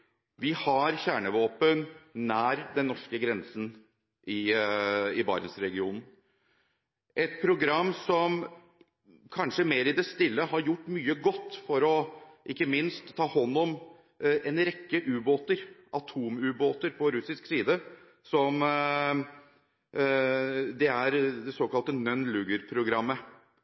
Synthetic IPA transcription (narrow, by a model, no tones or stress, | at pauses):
ʋɪhɑɾçæːɳəʋoːpənːæːɾd̪ɛnːɔʂkəɡɾɛnsn̩ | ʔɪ | ɪbɑ̰ːɾənsɾɛɡɪuːnn̩ | ʔɛt̪̚pʰɾʊɡɾɑmːsɔm | kʰɑnʂəmeːɾɪd̪ɛst̪ɪlːəhɑɾjʊʈːmyːəɡɔt̪ːfɔɾɔʔɪkːəmɪnst̪ʰːɑːhɔnːɔm | ɛnɾɛkːəʔʉːboːt̪əɾʔɑt̪ʰuːmʉːboːt̪əɾpʰɔɾʉsɪsksiːd̪ə | sɔm | d̪ɛæɾd̪ɛsoːkɑlt̪ənœnlʉːɡəɾpʰɾʊɡɾɑmːə